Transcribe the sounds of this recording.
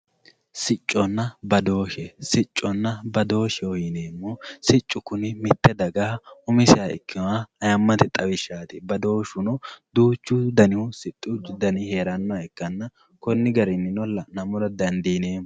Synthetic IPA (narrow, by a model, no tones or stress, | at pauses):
sɪt͡ʃʼːɔnːɐbɐd̪o̞ːʃɛsɪt͡ʃʼːɔnːɐbɐd̪o̞ːʃɛɔjɪneːmːoːsɪt͡ʃʼːʊkʊnɪmɪt̪ːɛd̪ɐɡaːʊmɪsɪɐɪ̰kːɪnwaɐjɐmːɐt̪ɛt̪ʼɐwɪʃːaːt̪ɪbɐd̪o̞ːʃʊnɔd̪uːt͡ʃːʊd̪ɐnɪwʊsɪt̪ʼːʊd̪ɐnɪhe̞ːɾɐnːɔɛkːɐnːɐ | kɔnːɪɡɐɾɪnːɪnɔlːɐnɐmʊlɐd̪ɐnd̪iːneːm